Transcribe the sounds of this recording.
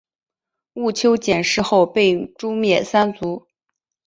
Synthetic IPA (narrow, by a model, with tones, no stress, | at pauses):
u˥˩t͡ɕʰjo˥ʊt͡ɕjɛ˨˩nʂɻ̩˥˧xo˥˧ʊpe˥˩ɪʈ͡ʂu˥mjɛ˥˩sa˥nt͡su˧˥